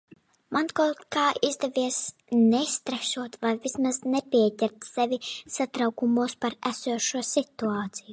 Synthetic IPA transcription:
mankat̪kaːʔizd̪ɛvʲiɛsnɛst̪ɾaʃuɔt̪vajvʲismaznɛpʲiɛɟʲɛɾt̪sɛvʲisat̪ɾawkumuɔspaɾæsuɔʃuɔsit̪uaːt̪siju

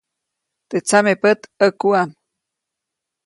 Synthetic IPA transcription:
t̪et͡samepət̪əkuam

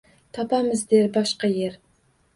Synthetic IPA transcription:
t̪ʰɑpɑmɨzd̪eɾbɑʃqɑjeɾ

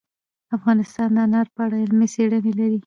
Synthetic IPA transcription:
afɣɑnɪst̪ɑnd̪əanaɾpəaɽaɪlmeseɽənelaɾi

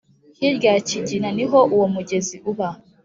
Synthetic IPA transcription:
kiɾɡaciɟinaniɦoʔuwomuɟeziʔuβa

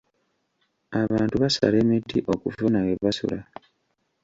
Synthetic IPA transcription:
aβaːntuβasa̰le̞ːmedːiʔo̞kufunaweβasṵla

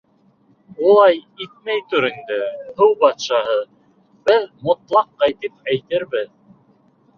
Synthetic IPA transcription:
ulˠɑjit̪̚mæjt̪ʉɾind̪ɘhɤwbɑt̪ʃɑhɤ | bɘðmŏt̪lˠɑqːɑjt̪ip̚æjt̪ɘɾβɘð

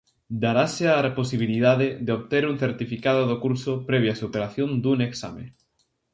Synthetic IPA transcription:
d̪aɾaseaeposiβ̞ilið̞aðeðeoβt̪eɾuŋθeɾt̪ifikaðoðokuɾsopɾɛβ̞jasupeɾaθjond̪uŋeksa̰mḛ

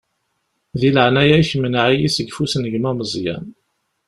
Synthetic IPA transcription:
ðiləʕnæjæjçəmːənʕijisəɡfusənəɡmæməzˤjæ̰n

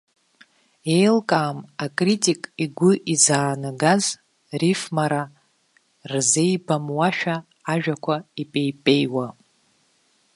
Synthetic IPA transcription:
e̞jlkʼaːmakʼritʼikʼiɡʷʊʔizaːnaɡaz | rifmaɾa | rze̞jbamwaʃᶣaː | ʒᶣakʷʰaipʼe̞jpʼe̞jwa

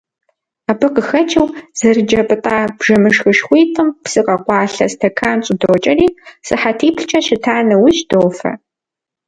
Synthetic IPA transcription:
aːbɨqəxɐt͡ʃʰʼɐwz̥ɐrɨd͡ʒɐpʼɨtʼaːb̥ʒɐmɨʂxɨʃxʷiːtʼɨmpsɨqɐqʷɑːɬɐstʰɐkʰaːnɕʼɪdoːt͡ʃʼɐriːsɨħatʰiːpʰɬt͡ʃʰɐʃɪtʰaːnɐwʊʃdoːfɐ̰

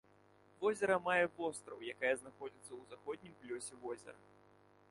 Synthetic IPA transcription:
vɔzʲɛɾɐmajɛvɔst̪ɾɐwjakajɐznaxɔd͡zʲit̪sːɐwzaxɔd̪ʲnʲimplʲɔsʲɛvɔzʲɛ̰ɾɐ̰

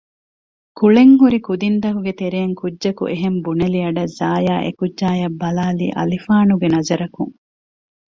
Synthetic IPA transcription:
kuɭeŋɦuɾikud̪ind̪ɐɦuɡet̪eɾeːŋkudʒɐkṵʔeɦembunɐliɐɖɐzaːjaːʔḛkudʒaːjɐbːɐlaːlḭːʔɐ̰lifaːnuɡenɐzɐɾɐkuŋ

